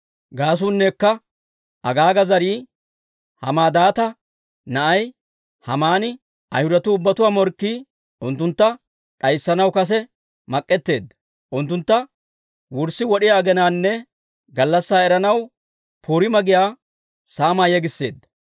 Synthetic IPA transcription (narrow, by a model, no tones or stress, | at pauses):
ɡaːs̬uːnːeːkːɐ | ɐɡaːɡɐzɐɾiː | hɐ̰maːd̪aːt̪ɐ | nɐʔɐj | hɐmaːnɪ | ɐ̰jhʊd̪ɐt̪ʊːbːɐt̪ʊwaːmɔɾkːiː | ʊnt̪ːʊnt̪ːɐ | ᶑɐjsːɐnɐwkɐs̬ɛ | mɐkʼːɛt̪ːe̞ːd̪ːɐ | ʔʊnt̪ːʊnt̪ːɐ | wʊɾsːɪwɔɗɪjaːɡɛnaːnːɛ | ɡɐlːɐsːaːɛɾɐnɐw | pʰuːɾɪmɐɡɪjaː | saːmaːjɛɡɪsːe̞ːd̪ːɐ